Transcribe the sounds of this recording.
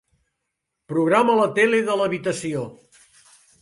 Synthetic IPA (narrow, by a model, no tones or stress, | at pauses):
pɾuɣ̞ɾamələt̪eleðələβit̪əsio